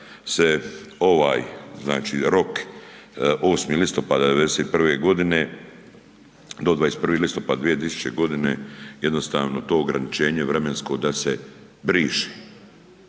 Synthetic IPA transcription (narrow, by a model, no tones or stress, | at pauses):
seo̞ʋaːjzna̰ːt͡ʃiːɾo̞k | ʔoːsmilist̪o̞pad̪ad̪eʋed̪eset̪̚pr̩ʋeɡo̞d̪ine̞ | d̪o̞d̪ʋaːest̪pr̩ʋiːlist̪o̞pad̪d̪vijet̪ɾisu̥t͡ʃeɡo̞d̪ine̞jed̪no̞st̪a̰ːʋno̞t̪o̞ːɡɾanit͡ʃe̞ːɲeʋɾe̞me̞nsko̞d̪ase | bɾiːʃi̥